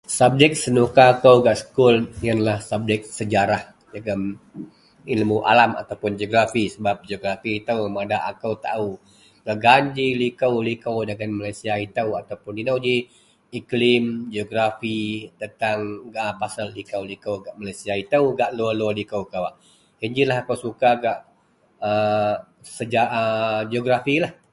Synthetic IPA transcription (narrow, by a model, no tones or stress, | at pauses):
sab̚d͡ʒɛk̚sənukakəwɡaʔsə̥kʊljanlahsab̚dɛk̚səd͡ʒaɾah | dəɡan | ilmuʔa̰lama̰t̪awpʊnd͡ʒioɡɾafisəbap̚d͡ʒoɡɾafit̪əwmadaʔa̰kəwt̪a̰u | ɡ̥aʔɡaɲd͡ʒilikəwlikəwdəɡanmalajsiait̪əwat̪awpʊndinawd͡ʒi | iklɪmd͡ʒoɡɾafit̪ənt̪aŋəpasallikəwlikəwɡaʔmalajsiait̪auɡaʔlualwɔlikəwkawaʔ | hiɲd͡ʒilaɦakəwsukaɡaʔ | ə | səd͡ʒaʔəd͡ʒoɡɾafilah